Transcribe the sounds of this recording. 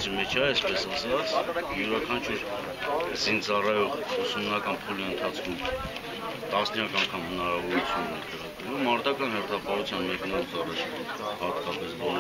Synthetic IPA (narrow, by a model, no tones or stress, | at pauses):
t͡simɛt͡ʃʰɑɛspɛsɑsɑt͡sjuɾɑkʰɑnt͡ʃʰuɾ | zint͡sɑrɑjɔʁusumnɑkɑnpʰuliənt̪ʰɑt͡sʰkʰum | t̪ɑsnjɑkɑŋkʰɑmhənɑɾɑvɔɾut͡sʰjunnɛ̰k̪ʰɛʁət̪əvumːɑɾt̪ɑkɑnhɛɾt̪ʰɑpɑɦut͡sʰjɑnmɛknɑɾut͡sɑrɑt͡ʃʰ | hɑt̪kɑpɛsbɔl